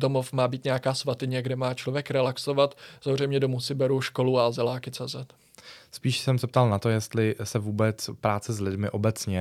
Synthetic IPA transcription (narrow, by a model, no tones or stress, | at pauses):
do̞mofmaːbiːt̪ɲɛjakaːsvat̪ɪɲɛɡdɛmaːt͡ʃlo̞vjɛkɾɛlakso̞vat̪z̥aɦorɛjmɲɛdo̞musɪbɛɾuʃko̞luazɛlaːkɪt͡sɛːzɛt̪ | spiːʃsɛmsɛp̚t̪alnat̪ojɛst̪lɪsɛvuːbɛt͡spɾaːt͡sɛzlɪdmɪʔo̞bɛt͡sɲɛ